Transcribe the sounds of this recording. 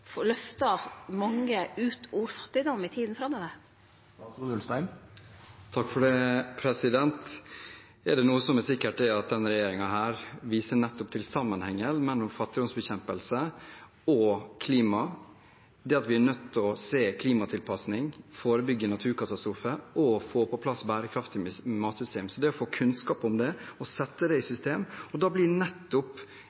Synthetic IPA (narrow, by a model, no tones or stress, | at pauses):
fɔlœft̪ɑmɑŋːəʉːt̪ʰuːɾfɑ̥t̪ːɪd̪ɔmːɪt̪ʰiːd̪n̩fɾɑmːəd̪ə | uːd̪əlst̪æɪn | t̪ʰɑkːfɔɖɛpʰɾɛsɪd̪ɛnt̪ | ɛɖɛnuːəsɔmɛsɪkːəʈ̚d̪ɛɑt̪̚d̪ɛnɾɛjeːɾɪŋɑɦæːɾʋiːsənɛt̪ːʊpt̪ʰɪlsɑmːənhɛŋːəlmɛlːʊmfɑt̪ːɪd̪ɔnsbɛçɛmpəlsə | ɔkʰliːmɑ | d̪ɛɑt̪ʋɪɛnœt̪ʰːɔseːkʰliːmɑt̪ʰɪlpʰɑsnɪŋfoːɾəbʏɡːənɑt̪ʰʉːɾkɑt̪ɑst̪ɾuːfəɔfoːpʰɔpʰlɑsbæːɾəkʰɾɑft̪ɪmɑːt̪sʏst̪eːmsɔd̪ɛɔfoːkʰʉnskɑːpɔmd̪ɛɔsɛt̪ːəd̪ɛɪsʏst̪eːmɔd̪ɑːblɪnɛt̪ːʊp